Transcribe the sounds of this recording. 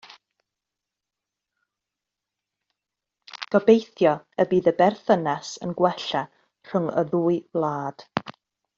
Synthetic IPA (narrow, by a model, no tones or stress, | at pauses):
ɡ̥ɔbejθjɔəbiːðəbɛrθənasənɡwɛɬa | r̥ʊŋə̰ðuːɨvlˠaːd̥